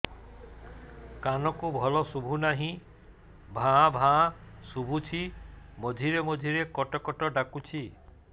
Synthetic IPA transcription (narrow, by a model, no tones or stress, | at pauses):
kanɔkubʱɔlɔsubʱunaɦĩ | bʱãbʱãsubʱut͡ʃʰimod̪ʱiɾemɔd̪ʱiɾekɔʈɔkɔʈɔɖakut͡ʃʰi